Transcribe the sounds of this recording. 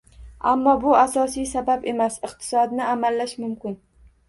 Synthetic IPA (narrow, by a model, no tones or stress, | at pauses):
a̰mːɒbʊasɒsijsababe̞masɨqt̪ʰɪ̥sɒd̪nɪamalːaʃmʊmkʲɪn